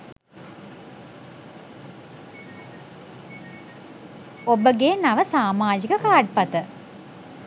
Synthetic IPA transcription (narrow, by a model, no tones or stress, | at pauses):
obəɡeːnaʋəsaːmaːd͡ʒikəkaːɖ̚pat̪ə